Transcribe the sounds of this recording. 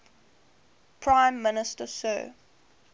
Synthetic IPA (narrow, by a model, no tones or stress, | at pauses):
pʰɹãɪ̃mːɪnɪstəsə̰ː